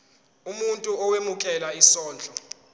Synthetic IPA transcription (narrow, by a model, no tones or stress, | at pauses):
umuntʼuɔwemukʰɛlaisɔːnd͡ɮʱɔ